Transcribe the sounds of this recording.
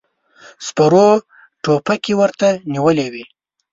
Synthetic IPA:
spaɾo | ʈopakewəɾt̪aniwəlewi

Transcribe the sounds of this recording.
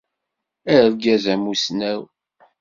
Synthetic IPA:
æəɾɡæzæmusnæw

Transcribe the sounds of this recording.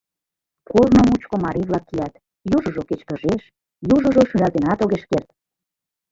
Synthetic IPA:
kornomut͡ɕkomɑɾiβlɑkːijɑt̪ | juʒə̆ʒoket͡ɕkə̆ʒeʃ | juʒə̆ʒoʃynɑt̪enɑt̪oɣeʃkert̪̚

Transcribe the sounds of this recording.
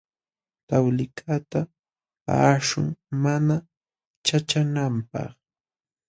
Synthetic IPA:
t̪awlɪkʰat̪a | paːʂʊŋmana | t͡ʃat͡ʃanampɑ̰χ

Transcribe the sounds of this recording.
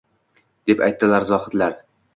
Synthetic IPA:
d̪̥e̞pa̰jt̪ːɪlaɾzɒhɪt̪laɾ

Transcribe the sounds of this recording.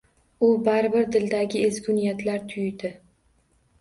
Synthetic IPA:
ʊbaɾɪbɪɾd̪ɪld̪aɡʲɪezɡʲʊnijat̪ʰlaɾt̪ʰʊjd̪ɪ

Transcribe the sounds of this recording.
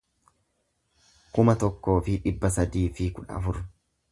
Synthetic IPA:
kʊmɐt̪ɔkːo̞ːfɪᶑɪbːɐsɐd̪iːfɪkʊᶑɐ̰ɐ̰fʊɾ

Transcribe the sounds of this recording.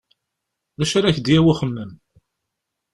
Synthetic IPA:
ðæʃaɾæçd̪jæwaχəmːəm

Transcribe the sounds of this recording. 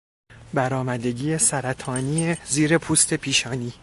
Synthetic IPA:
bæɾɒːmæd̪e̞ɟiːesæɾæt̪ʰɒːniːeziːɾe̞pʰuːst̪ʰe̞pʰiːʃɒːniː

